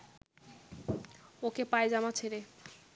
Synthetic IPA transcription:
okepaed͡ʑamat͡ɕʰeɾe

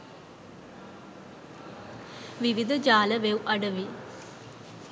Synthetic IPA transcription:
ʋiʋid̪ʱɐd͡ʑaːlɐʋewʔɐɽɐʋi

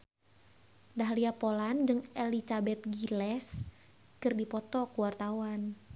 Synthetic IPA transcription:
daɦliapoland͡ʒɨŋelit͡ʃabɛt̪̚ɡilɛs | kɨrdipɔt̪ɔkuwart̪awan

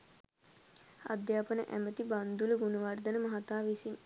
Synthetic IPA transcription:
a̰d̪jaːpənə̰ʔæ̰mət̪iband̪uləɡunəʋard̪ənəmɐɦat̪aːʋisin

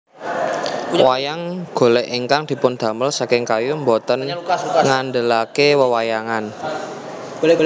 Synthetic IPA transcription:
wajaŋɡ̥o̤lɛʔiŋkaŋd̪̥i̤pʊnd̪̥ä̤məlsakɪŋkajumbɔt̪ənŋanɖəlakewəwajaŋan

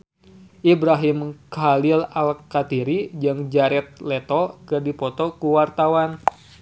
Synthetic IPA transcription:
ʔibɾaɦimkalɪlalkat̪iɾid͡ʒaŋd͡ʒaɾɛt̪̚lɛt̪ɔkɨdipɔt̪ɔkuwart̪awan

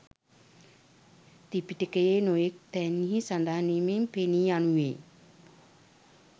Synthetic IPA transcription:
t̪ipiʈekəjenojek̚t̪ɛnːiɦisand̪aɦanimempeniːanuʋḛː

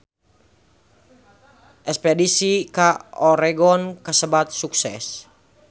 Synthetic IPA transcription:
ʔɛspɛdisikaɔɾɛɡɔnkasəbat̪̚suksɛ̰s

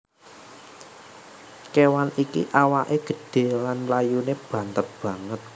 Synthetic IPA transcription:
kewanikḭʔawaʔeɡ̥ə̤ɖ̥e̤lanlajuneb̥ä̤nt̪ər̚b̥ä̤ŋət̪̚

